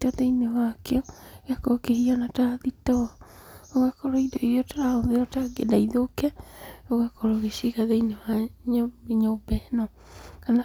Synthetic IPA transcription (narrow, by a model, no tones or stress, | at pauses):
taðeinewakeɔɣakokehianataðitɔ | oɣakɔɾoidoiotɾaoðeotaɡḛdaiðokɛoɣakoɾooɣeʃiɣaðeinewaɲeɲobɛnɔ | kana